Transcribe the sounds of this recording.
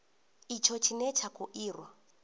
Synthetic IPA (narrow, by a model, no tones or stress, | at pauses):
it͡ʃʰɔt͡ʃʰinɛt͡ʃʰakʰʼuʔiːrwa